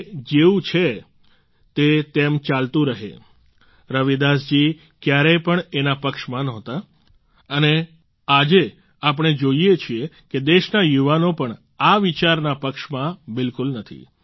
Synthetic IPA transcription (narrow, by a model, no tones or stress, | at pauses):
d͡ʒeũt͡ʃʰe | t̪et̪emt͡ʃalt̪ũɾəɦḛ | ɾəʋid̪asd͡ʒi | kjaɾepəɳenapəkʃmãnɔɦt̪a | əne | ad͡ʒe | ap̬əɽ̃ed͡ʒoiet͡ʃʰieked̪eʃnajuʋanopəɳ | aʋit͡ʃaɾnapəkʃmãbɪlkʊlnət̪ʰḭ